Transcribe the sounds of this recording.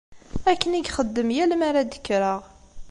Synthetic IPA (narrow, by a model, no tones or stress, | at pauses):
ækːəniɡχəd̪ːəmjælmaɾad̪ə̥kːɾəʁ